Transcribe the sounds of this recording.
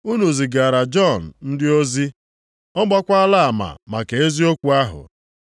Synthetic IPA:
u˦nu˨zi˨ɡa˨ɾa˨d͡ʒɔ˦˨n̩˨n̩˦dɪ˦o˦zi˦ | ɔ˦ɡ͡bɔ˦kʷa˦a˦la˦a˨ma̰˨ma˨ke˨e˦zi˦o˦kʷu˦a˦ɦʊ̰˨

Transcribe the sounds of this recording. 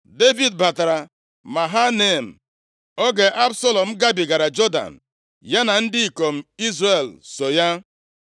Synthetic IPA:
de˦vi˨dba˨ta˨ɾa˨ | ma˨ɦa˦ne˨m̩˨ | o˦ɡe˨ʔa˦bso˦lɔ˨m̩˦ɡa˦bi˨ɡa˨ɾa˨d͡ʒɔ˦da̰˨n̩˨ | ja˦na˨n̩˦dɪ˦i˨ko˨m̩˨i˦zre˨lso˨ja˦

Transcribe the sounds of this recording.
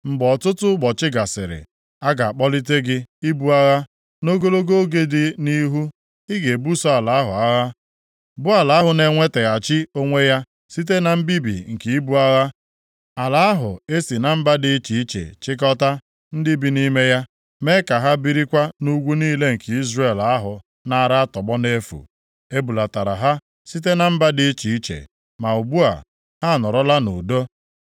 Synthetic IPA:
ŋ͡m̩˨ɡ͡bɔ˨tʊ˦tʊ˦ɡ͡bɔ˨t͡ʃɪ˦ɡa˨sɪ̰˨ɾɪ̰˨ | a˦ɡa˨a˨k͡pɔ˦li˦t̬e˦ɡɪ˦i˦bu˦a˦ɣa˦ | no˦ɡo˦lo˦ɡo˦o˦ɡe˦dɪ˦ni˦ɦu˦ | ɪ˦ɡe˨bu˦sɔ˦a˨la˨a˦ɦʊ̰˨a˦ɣa˦ | bʊ˦a˨la˨˦a˦ɦʊ˨ne˨ŋʷe˦te˨ɣa˨t͡ʃɪ˦o˦ŋʷe˦ja˦ | si˦t̬e˦na˨m̩˦bi˦bḭ˨ŋ̩˨ki˨i˦bu˦a˦ɣa˦ | a˨la˨a˦ɦʊ̰˨e˦si˨na˨m̩˦ba˦dɪ˨˦t͡ʃi˨˦i˦t͡ʃḛ˨t͡ʃɪ˦k̬ɔ˦ta˦ | n̩˦dɪ˦bi˨ni˦me˦ja˦ | me˦ka˨ɦa˦bi˦ɾi˦kʷa˦nu˦ɡʷu˦niː˦le˦ŋ̩˨ke˨i˦zre˨la˦ɦʊ˨ | na˨a˦˨ɾa˦a˦tɔ˨bɔ˦ne˦fṵ˨ | e˦bu˨la˨ta˨ɾa̰˨ɦa˦ | si˦t̬e˦na˨m̩˦ba˦dɪ˦t͡ʃi˨i˦t͡ʃḛ˨ | ma˨u˨bu˦a̰˨ | ha˦˨nɔ˨ɾɔ˦la˦nṵ˨do˦

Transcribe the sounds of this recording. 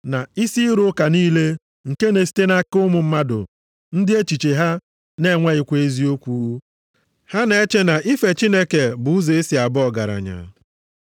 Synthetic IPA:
na˨i˦si˦ɾʊ˦ka˨niː˦le˦ | ŋ̩˨ke˦ne˨si̥˦te˦na˦kʊ˦mʊ˨m̩˦ma˦dʊ̰˨ | n̩˦dɪ˦e˦t͡ʃi˨t͡ʃe˨ɦa˦ | ne˦ŋʷa˦ɪ˨kʷe˦e˦zi˦o˦kʷu˦u˦ | ha˦ne˦e˦t͡ʃe˦na˨ʔi˦fe˨t͡ʃi˦ne˦ke˨bʊ˨u˦ze˨e˦si˨a˨bʊ˦ɔ˦˨ɡa˨ɾa̰˨ɲa̰˨

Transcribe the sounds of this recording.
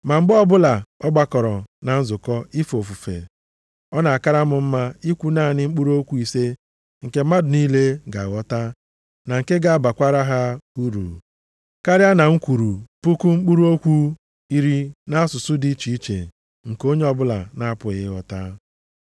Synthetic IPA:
ma˨ŋ͡m̩˦ɡ͡bɔ˦bʊ˦la˨ɔ˦ɡ͡ba˦kɔ˨ɾɔ˨na˨n̩˦zʊ˨kɔ˦i˦fo˨fu˨fḛ˨ | ɔ˦na˨a˨ka˦ɾa˦mʊ˨m̩˦ma˦i˦kʷu˦naː˦˨nɪ˦ŋ͡m̩˦k͡pu˦ɾu˦o˦kʷu˦i˨se˦ | ŋ̩˨ke˨˦ma˦dʊ˨niː˦le˦ɡa̰˨ɣɔ˦ta˦ | na˨ŋ̩˨ke˦ɡa˦a˦˨ba˨kʷa˦ɾa˦ɦa˦u˦ɾṵ˨ | ka˦ɾɪ˦a˦na˨ŋ̩˦kʷu˨ɾu˨pu˦ku˦ŋ͡m̩˦k͡pu˦ɾu˦o˦kʷu˦ | i˦ɾi˦na˦a˦sʊ˨sʊ˦di˦t͡ʃi˨i˦t͡ʃḛ˨ | ŋ̩˨ko˦ɲe˦ɔ˦bʊ˦la̰˨na˦a˦pʊ˨˦ɪ˦ɣɔ˨ta˦

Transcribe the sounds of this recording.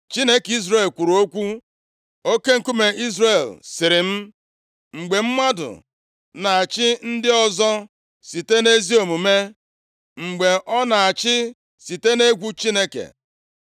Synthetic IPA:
t͡ʃi˦ne˦ki˦zre˦˨lkʷu˨ɾu˨o˦kʷu˦ | o˦ke˦ŋ̩˨ku˦me˨i˦zre˦˨lsɪ˨ɾɪ˨m̩˦ | ŋ͡m̩˨ɡ͡be˨m̩˦mʷa˦dʊ̰˨ | na˨a˨t͡ʃɪ˦n̩˦dɪ˦ɔ˦zɔ˦ | si˨te˦ne˦zi˦o˨mu˨me˦ | ŋ͡m̩˨ɡ͡be˨ʔɔ˦na˨a˨t͡ʃɪ˦ | si˨te˦ne˦ɡʷu˦t͡ʃi˦ne˦kḛ˨

